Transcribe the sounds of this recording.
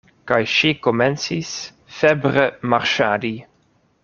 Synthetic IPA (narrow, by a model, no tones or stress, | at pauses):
kajʃikomɛnsis | fɛbɾəmaɾʃaːd̪i